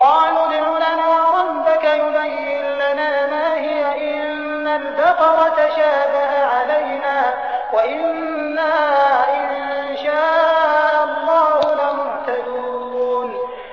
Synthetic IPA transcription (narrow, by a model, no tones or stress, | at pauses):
qɑːlnʊd̪ˤlʊlanaːwɾˤɑbːɪkajʊbajːɪnlanaːmaːɦɪjaʔɪ | nːald̪ɑqɑwat̪aʃaːbaʔaʕalajnaː | waʔɪnː | aʔɪnʃaːʔʔʔʔɑllˤːɑːhʊlamʊbt̪ad̪uuːn